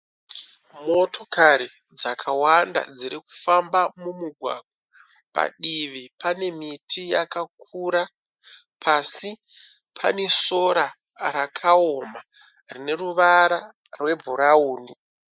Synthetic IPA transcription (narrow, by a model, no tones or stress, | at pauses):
mo̞tʰo̞kʰaɾi | d͡zakʰawanda̰d͡ziɾiku̥fambamumuɡʱwa̰ɡwa | pa̰ɗiʋipane̞mitʰijakak̚ʰuːɾa | pʰasi | pʰa̰ne̞so̞ɾa | ɾakʰaoma | rine̞ruʋaɾa | rwe̞bʱuɾauːni